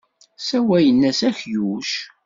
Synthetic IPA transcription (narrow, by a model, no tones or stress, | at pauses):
sæwæjənːæsæçjuʃ